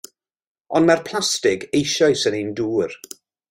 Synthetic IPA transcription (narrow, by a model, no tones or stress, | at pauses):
ɔndmarpʰl̥ˠastɪɡejʃɔjsənenduːr